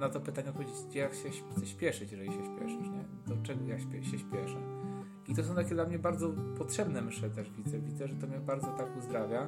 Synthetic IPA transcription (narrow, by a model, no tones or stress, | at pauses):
nat̪ɔpɘt̪aɲɛpɔvʲed͡ʑet͡ɕd͡ʑɛjakɕɛt̪sɛɕpʲjɛʂɘt͡ɕʐɛjiɕɛɕpʲjɛ̰ʂɘʂɲɛ | d̪̥ɔt͡ʂɛɡɔjaɕpʲɛɕɛɕpʲjɛʂɛ | it̪ɔsɔw̃t̪akʲɛd̪lamɲɛbaɾd̪zɔpɔtʂɛbnɛmʂɛt̪ɛʐvʲid̪zɛvʲid̪zɛʐɛt̪ɔmɲɛbaɾd̪zɔt̪akuzd̪ɾavʲja